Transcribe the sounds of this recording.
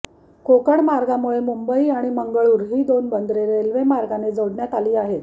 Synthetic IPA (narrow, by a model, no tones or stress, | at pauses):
kokəɳmaɾɡamuɭemumbəiaɽ̃iməŋɡəɭuːɾɦiːd̪onbənd̪ɾeɾelʋemaɾɡaned͡zəɽɳjat̪aliːaɦet̪